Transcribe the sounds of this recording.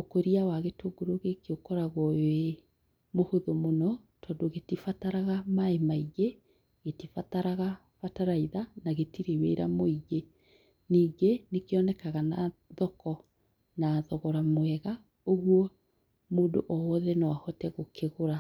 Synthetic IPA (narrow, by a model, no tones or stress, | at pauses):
okoɾiawaɣetoːɡoɾoɣekeokɔɾaɣɔe | mohoðomonɔ | tʰɔːdoɣetifataɾaɣamaemaiɣe | ɣetifataɾaɣa | fataɾaiðanaɣetiɾewḛɾa̰moiɣe | niːɡenekeɔnɛkaɣanaðɔkɔ | naðɔɣɔɾamwɛɣa | oɣwɔ | moːdo̰ʔɔwɔðɛnawahɔtɛɣokeɣoɾa